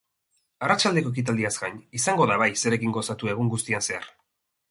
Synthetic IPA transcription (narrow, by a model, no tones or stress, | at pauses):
arat͡ʃald̪e̞ko̞ek̬it̪̬ald̪iazɡaɲisaŋɡo̞ðaβajse̞ɾe̞kiŋɡo̞sat̪ue̞ɣ̞uŋɡust̪ianse̞a̰ɾ